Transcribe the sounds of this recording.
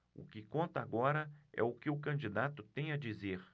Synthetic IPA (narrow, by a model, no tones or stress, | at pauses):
ʊ̰kɪkõnt̪ɐːɡɔɾɐɛ̰ʊkɪʊkɐ̃nd͡ʒid̪at̪ʊt̪ẽj̃ɐd͡ʒizeɾ